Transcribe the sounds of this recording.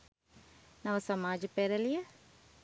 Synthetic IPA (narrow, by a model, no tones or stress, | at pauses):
nɐʋəsɐmaːd͡ʒpeːɾəlijɐ